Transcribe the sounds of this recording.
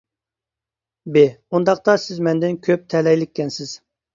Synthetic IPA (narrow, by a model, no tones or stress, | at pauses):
beund̪ɑq̚t̪ɑsɪzmɛnd̪ɪnkʲʰøp̚t̪ʰɛlɛjlɪkʲːɛnsɪz̥